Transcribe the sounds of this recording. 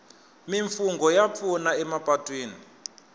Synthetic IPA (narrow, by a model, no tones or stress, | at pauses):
miɱfuŋɡɔjap̪funaɛmapʼatʼwiːni